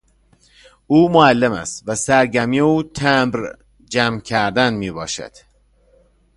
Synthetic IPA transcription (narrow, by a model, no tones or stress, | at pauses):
uːmoælːemæ̰st̪væsæɾɟæmiːuːt̪ʰæmbɾ | d͡ʒæmcʰæɾd̪ænmiːbɒːʃæ̰d̪̥